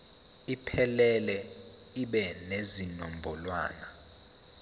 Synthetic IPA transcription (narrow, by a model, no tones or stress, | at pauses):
ipʰɛlɛlɛ | iɓɛnezinɔmbʱɔlwa̰ːna